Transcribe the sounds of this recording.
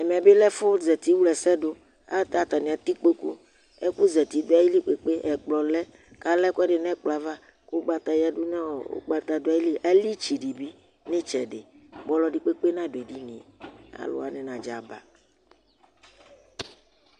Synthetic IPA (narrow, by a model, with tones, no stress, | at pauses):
ɛ˨me˨a˨be˦lɛ˦fo˦zɛ˨t̪i˦wu˦lɛ˨sɛ˦ɖo˦ | a˦t̪a˨t̪a˨nĩ˨a˨t̪i˦k͡pe˦kṵ˦ | e˦ku˦zɛ˨t̪i˨d̪o˦a˦ji˦li˦k͡pe˨k͡pe˦ɛ˨k͡plɔ˨lɛ˦ | ka˦lɛ˦ku˦ɛ˦ɖe˨nɛ̃˦k͡pla˨va˦ | ku˦ɡ͡ba˦t̪a˨ja˦ɖo˦nẽ˦wɔ˨o̰˦ɡ͡ba˦t̪a˨d̪o˦a˦ji˦li˦ʔa˦li˦t͡ʃi˨ɖi˨bi˦ | nĩ˦t͡ʃɛ˨ɖe˨ | bɔ˦lɔ˦ɖi˨k͡pe˦k͡pe˦nã˦do˨e˨ɖi˦nĩ˨a̰˨lo̰˦a˨ne˨nã˨d͡ʒa˨ba̰˨